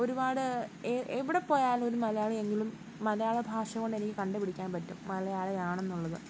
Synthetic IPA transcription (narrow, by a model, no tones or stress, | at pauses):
o̞ɾubaːɽɨeeʋiɽepo̞ːjaːlumo̞ɾumɐlɐjaːɭee̞ŋːɡilumː | ɐlɐjaːɭebʱaːʂɐɣoɳɖe̞nikʲːɨkɐɳɖɨpiɽikʲːaːnpɐtːumːɐlɐjaːɭejaːɳe̞nːuɭːɐðɨ